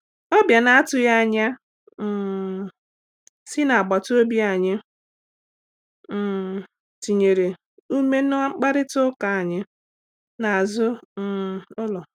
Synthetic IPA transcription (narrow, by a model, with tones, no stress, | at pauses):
ɔ˦bja˨na˨a˦tʊ˨ja˦˨ɲa˦˨ | sɪ˦na˨a˨ɡ͡ba˨tʊ˦o˦bi˦a˨ɲɪ˦˨ | ti˨ɲe˨ɾe˨ | u˦me˦n˦ŋ͡m̩˦k͡pa˦ɾɪ˦tʊ˦ka˨a˨ɲɪ˦ | na˨a˨zʊ˦˨ | ʊ˦lɔ˨